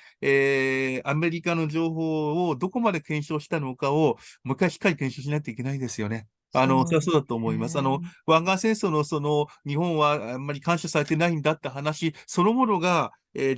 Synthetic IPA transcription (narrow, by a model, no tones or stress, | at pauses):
eːame̞ɾʲikano̞ʑo̞ːɦo̞ːd̪o̞ko̞mad̪e̞kẽ̞ɰ̃ɕo̞ːɕi̥t̪ano̞kaomɯ̟kːaiɕi̥kːaɾʲikẽ̞ɰ̃ɕo̞ːɕ̬inaket̪oik̬ʲe̞naid̪e̞sɨjo̞ne̞ | ano̞soasoːd̪at̪oːmo̞imasɨano̞βãŋɡãɰ̃sẽ̞ɰ̃sono̞so̞no̞ɲ̟ihõ̞ɰ̃βaamːaɾʲikãɰ̃ɕasaɾe̞t̪e̞naĩnd̪at̪ːaɦanaɕiso̞no̞mo̞no̞ɡa | eː